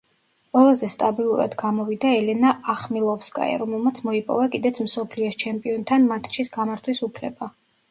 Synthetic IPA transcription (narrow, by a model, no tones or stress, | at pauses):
qʼwɛlˠazɛst̪ʼabilˠuɾa̰d̪ɡamɔvid̪aɛlɛnaaχmilˠɔfskʼa̰ja̰ɾɔmɛlˠmat̪sʰmɔipʼɔ̰vakʼid̪ɛt̪sʰmsɔpʰliɔst͡ʃʰɛmpʼiɔnt̪ʰanmat̪ʼʃisɡamaɾt̪ʰwisupʰlɛba